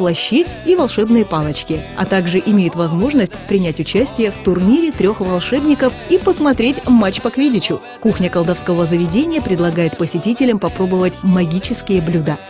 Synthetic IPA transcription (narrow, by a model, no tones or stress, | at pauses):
plˠɐɕːiivɐlˠʂɛbnɨjəpalˠət͡ɕkʲɪɐ̰t̪aɡʐɨʔɪmʲejɪt̪vɐzmo̞ʐnəsʲtʲpɾʲɪnʲætʲʊt͡ɕæsʲtʲɪjəft̪ʊrnʲiɾʲɪt̪ɾʲo̞xvɐlˠʂɛbnʲɪkəfipəsmɐt̪ɾʲetʲmat͡ɕpɐkvʲidʲɪt͡ɕʊ | kuxnʲəkəlˠd̪ɐfskəvəzəvʲɪdʲenʲɪjəpɾʲɪd̪lˠɐɡajɪt̪pəsʲɪtʲitʲɪlʲəmpɐpɾo̞bəvətʲmɐɡʲit͡ɕɪskʲɪjəblʲud̪ə